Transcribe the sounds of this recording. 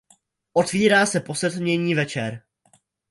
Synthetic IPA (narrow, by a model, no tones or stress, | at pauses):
ʔo̞t̪viːɾaːsɛpo̞sɛt̪mɲɛɲiːvɛt͡ʃɛɾ